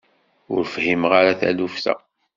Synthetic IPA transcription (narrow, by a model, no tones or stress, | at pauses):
ʊɾfhimʁaɾaθæ̰lufθæ̰